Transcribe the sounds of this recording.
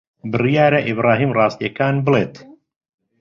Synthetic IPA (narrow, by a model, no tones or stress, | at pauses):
bɨrijaːɾaʔibɾɑːɦiːmrɑːst̪ijɛkaːnbɨleːt̪